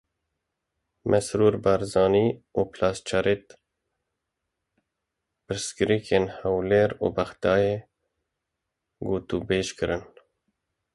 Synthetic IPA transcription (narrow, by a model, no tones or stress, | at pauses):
mʔɛsɾuːɾbɑɾzɑːniːuːpʰlɑːst͡ʃʰaɾet̪ | pɨɾskɨɾikʰeːnhɛwleːɾṵːbæxt̪ɑːjeː | ɡuːt̪uːbeːʃkɨɾɨn